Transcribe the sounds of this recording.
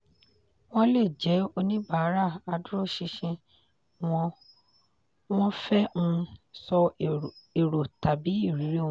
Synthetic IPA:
w̃ɔ̃˦le˦˨d͡ʒɛ˨˦o˧nĩ˦ba˦˨˦ɾa˦˨a˧du˦ɾo˦˨ʃi˧ʃĩ˧ | w̃ɔ̃˧ | w̃ɔ̃˦fɛ˦ũ˦sɔ˧ | e˨ɾo˨ta˨bi˨˦i˦˨ɾi˨˦ɾe˦õ˦˧˦

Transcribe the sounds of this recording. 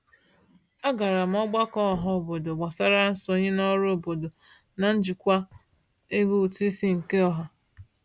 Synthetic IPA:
a˦ɡa˨ɾa˨m̩˦ɔ˦ɡ͡ba˦kɔ˦˨ɦɔ˨o˨bo˨do˨ɡ͡ba˨sa˦ɾa˦n̩˦sɔ˨˦ɲɪ˦nɔ˦ɾo˨bo˨do˨ | na˨n̩˦d͡ʒi˨kʷa˦ | e˦ɡu˦u˨tu˦i˦si˦ŋ̩˨ke˦ɔ˦ɦa˨

